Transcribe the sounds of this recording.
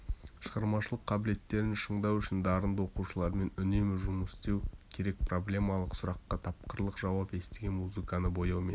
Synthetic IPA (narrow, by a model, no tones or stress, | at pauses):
ʃəʁɑɾmɑʃəlˠəqʰːɑbɪle̞t̪ːe̞ɾɪnʃəɴd̪ɑwʏʃɪnd̪ɑɾənd̪wo̞quʃəlˠɑɾme̞nʏne̞mɪʒʊməst̪e̞wkʲʰe̞ɾe̞k̚pʰro̞blʲe̞mɑlˠəqsʊɾɑqːɑt̪ʰɑp̚qəɾlˠəqʒɑwɑpe̞st̪eɡʲe̞nmuzɨkanəbo̞jɑmḛn